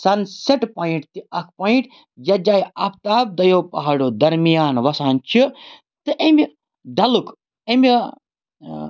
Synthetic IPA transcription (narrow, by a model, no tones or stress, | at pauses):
sɐnseʈpoːiɳʈ̚t̪iɐkʰpoːiɳʈ | d͡ʒɐd͡ʒaːjɐp̚ʰt̪aːb̚d̪ɐjoːpɐɦaɽoːd̪ɐɾmijaːnʋɐsaːnt͡ʃʰi | t̪ɨʔɐmʲi | ɖɐluk | ɐmʲi